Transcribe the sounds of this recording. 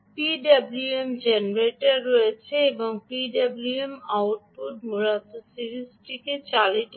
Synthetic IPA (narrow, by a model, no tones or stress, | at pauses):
piɖabluemd͡ʑenɾeʈaɾːojet͡ɕʰeeboŋpiɖabluemawʈ̚puʈmuɾat̪osiɾisʈiket͡ɕaliʈ